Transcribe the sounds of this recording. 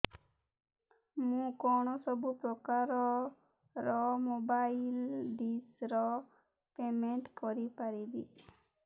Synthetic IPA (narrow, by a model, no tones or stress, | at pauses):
mũkɔñɔsɔbupɾɔkaɾɔ | ɾɔmobailɖisɾɔ | pemeɳʈkɔɾipaɾibḭ